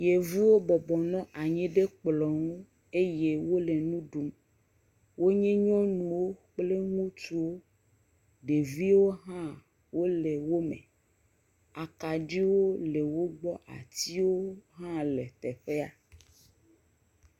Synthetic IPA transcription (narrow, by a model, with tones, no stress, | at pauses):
je˨vu˦wo˦bɔ˨bɔ˨nɔ̃˦ʔa˨ɲɛ̃˦ɖe˦k͡plɔ˨ŋũ˦ | e˦je˦wo˦le˨nũ˦ɖu˦m | wo˦ɲẽ˦ɲɔ̃˦nũ˨wo˦k͡ple˦ŋũ˦t̪u˦wo˦ | ɖe˨vi˦wo˦ɦã˦ | wo˦le˨wo˦mḛ̃˨ | a˨ka˨ɖi˦wo˦le˨wo˦ɡ͡bɔ˦ʔa̰˨t̪i˦wo˦ɦã˦le˨t̪ɛ˨ɸe˦a˦